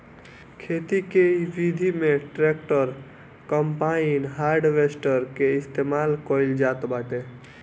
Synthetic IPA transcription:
kʰet̪ikebid̪ʱimeʈɾekʈəɾ | kəmpainɦaɾɖʋesʈəɾkeɪst̪emalkɔild͡ʒat̪baʈ̪e

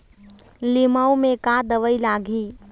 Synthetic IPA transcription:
lɪmawmẽkad̪ɐʋəilaːɡʱiː

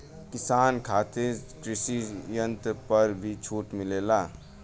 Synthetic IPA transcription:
kɪsaːnkʰaːt̪ekɾɪsijə̃nt̪pəɾbʱit͡ʃʰuːʈmɪleːlaː

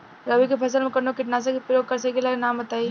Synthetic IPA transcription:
ɾəbikepʰɐsəlmẽkəɾnokɪʈnas̬ɐkepɾəjoɡ̚kəɾsɐkelanambət̪ai

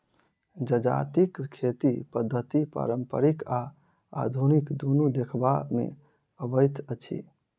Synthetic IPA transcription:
d͡ʒəd͡ʒa̰t̪ikkʰːet̪ipəd̪ʱːət̪ipɾa̰ɾəmpə̰ɾika | a̰d̪ʱunikd̪onud̪ekʰbamḛ | əbəjt̪ʰət͡ʃʰḭ

